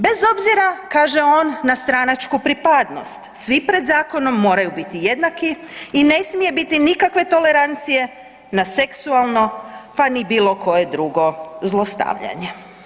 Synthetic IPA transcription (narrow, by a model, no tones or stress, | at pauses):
be̞zo̞bziɾakaːʒe̞o̞ːnːast̪ɾanat͡ʃkupɾipad̪no̞̰st̪sʋipɾe̞d̪zaːko̞no̞mːo̞ːɾajubit̪ije̞d̪naki | ine̞smije̞bit̪inikakʋe̞t̪o̞le̞ɾant̪sije̞ | naseksualˠno̞panibiːlˠo̞kʰo̞je̞d̪ɾuɡo̞zlˠo̞st̪a̰ʋʎa̰ɲe